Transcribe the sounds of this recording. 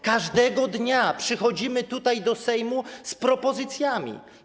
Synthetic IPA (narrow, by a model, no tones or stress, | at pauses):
kaʐd̪ɛɡɔd̪ɲapʂɘxɔd͡ʑimɘt̪ut̪ajd̪ɔsɛjmuspɾɔpɔzɘt̪sʲjamʲḭ